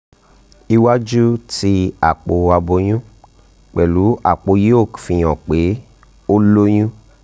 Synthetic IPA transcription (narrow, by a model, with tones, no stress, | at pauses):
i˧wa˦d͡ʒu˦ti˧˦a˨k͡po˧a˧bo˧j̃ũ˦ | k͡pɛ˨lu˨˦a̰˨k͡po˧je˦o˦˨kfĩ˧˨j̃ɔ̃˨k͡pe˨˦ | o˦lo˦j̃ũ˦